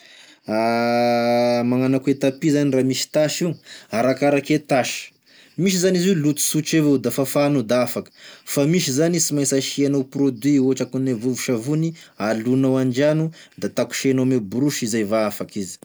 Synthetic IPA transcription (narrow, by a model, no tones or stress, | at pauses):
a | maŋanakuet̪apizaniramisi̥t̪aʃiaɾakaɾaket̪aʃə̥ | miʃ̬izaniziulut̪u̥suʈ͡ʂeved̪afafanud̪aafakə̥famiʃ̬izanisimajsaʃianawprod̪wioaʈ͡ʂakunevuvuʃavunialunawaɳd͡ʒanud̪at̪aku̥ʃenomebuɾuʃizajvaafakizi̥